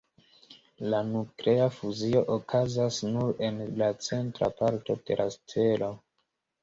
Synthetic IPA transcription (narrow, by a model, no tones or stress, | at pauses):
lanuklʔe̞afuzio̞ʔokʰazasnuɾe̞nlat͡se̞ntɾa̰paɾto̞d̥e̞̰lʔaste̞lo̞